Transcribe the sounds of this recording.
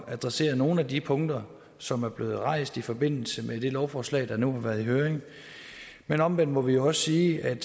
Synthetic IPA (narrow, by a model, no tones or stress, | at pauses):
æd̥ʁase̝̰ːɐðˠno̝ːn̩ædipʰɔ̽ŋd̥ɐ | sɒ̽mæɐb̥le̝ːð̩ˠʁɑ̈ɪ̰sd̥ifɒ̽b̥e̝n̰l̩səmʔed̥e̝lɒʊfɒːslɛ̰ːd̥ɑ̈nuhɑ̈ʋæːɐðˠiɦøːɐʁeŋ | menɒ̽mʋen̰mɒ̽ʋijo̝ɒ̽səsiːʔæd̥